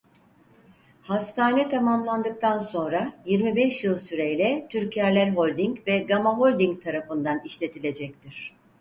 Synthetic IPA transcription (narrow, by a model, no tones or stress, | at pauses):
hast̪ʰaːnɛt̪ʰamamlˠand̪ɯk̚t̪ʰanso̞nɾajiɾmibɛʃjɯlˠsyɾejlʲɛt̪ʰyɾcʰjæɾlʲæɾɦo̞lʲd̪iŋcvɛɡamaɦo̞lʲd̪iŋk̚t̪ʰaɾafɯnd̪aniʃlʲe̞t̪ʰilʲe̞d͡ʒɛc̚t̪ʰiɾ̝̥